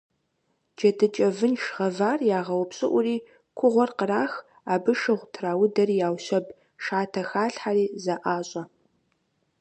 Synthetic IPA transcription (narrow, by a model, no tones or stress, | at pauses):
d͡ʒɐdʰɨt͡ʃʼɐvɨnʃʁɐvaːrjaːʁɐwʊpɕʼɪʔʷʊriː | kʷʰʊʁʷɔrqəraːx | aːbɨʃɨʁʷtʰraːwʊdɐriːjaːwɕɐb | ʃaːtʰɐxaːɬħaːɾiːzɐʔaːɕʼɐ